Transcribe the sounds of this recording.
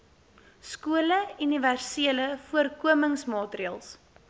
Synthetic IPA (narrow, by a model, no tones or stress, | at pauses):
skuələyniværsiələfuərkuəməŋsmɑːtriəlˠs